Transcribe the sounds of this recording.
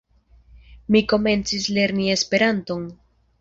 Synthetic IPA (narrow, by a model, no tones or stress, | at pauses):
miko̞me̞nt͡sisle̞ɾnie̞spe̞ɾanto̞n